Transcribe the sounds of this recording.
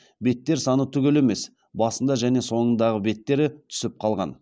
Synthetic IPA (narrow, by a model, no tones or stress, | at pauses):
be̞t̪ːe̞ɾsɑnət̪ʰʏɡʲe̞le̞me̞s | bɑsənd̪ɑʒæne̞so̞ɴənd̪ɑʁəbe̞t̪ːe̞ɾɪt̪ʰʏ̥sɪp̚qʰɑlˠʁɑ̰n